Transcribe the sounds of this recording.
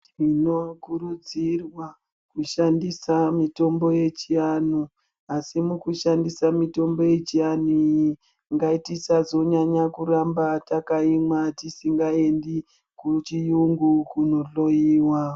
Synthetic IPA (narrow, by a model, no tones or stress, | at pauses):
ino̞kuɾud͡zirwa | kuʃandisamito̞mbo̞jet͡ʃianu | asimukuʃandisamito̞mbo̞je̞t͡ʃianuji | ŋɡaitisazo̞ɲaɲakuɾambatakaimwatisiŋɡae̞ndi | kut͡ʃijuŋɡukuno̞ɬo̞jiːwa